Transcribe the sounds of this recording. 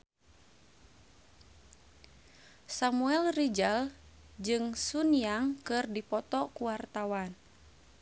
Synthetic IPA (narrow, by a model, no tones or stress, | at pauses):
samuɛlrid͡ʒal | d͡ʒɨŋsunijaŋkɨrdipɔt̪ɔkuwart̪awan